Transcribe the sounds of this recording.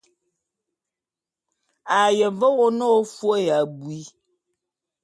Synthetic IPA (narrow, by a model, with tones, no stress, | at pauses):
a˨jɛ˨və˦wɔ˦nɔː˦fwo˦ja˨bwi˦